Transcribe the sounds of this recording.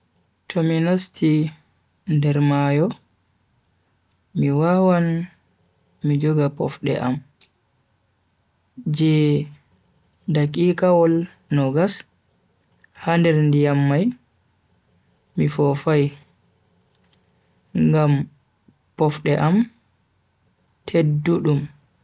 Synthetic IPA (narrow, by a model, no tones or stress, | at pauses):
tʰɔminastʰi | ndɛɾmajɔ | miwawan | mid͡ʒɔɡapɔfɗɛ̰ʔam | d͡ʒɛ | dakʼikawɔl | nɔɡas | handɛɾndijamːaj | mifɔfaj | ŋɡam | pɔfɗɛʔam | tʰedːuɗum